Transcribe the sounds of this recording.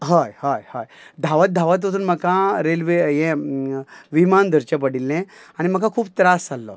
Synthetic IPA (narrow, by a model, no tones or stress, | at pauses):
ɦəjhəjhəjd̪ʱaʋət̪̚d̪ʱaʋat̪̬ʋət̪uːnməkãɾelʋejɛ̃ | ʋimand̪ʱəɾt͡ɕap̬əɽilːɛ̃aɽ̃im̤əkʰakʰuːp̚t̪ɾast͡salːɔ̰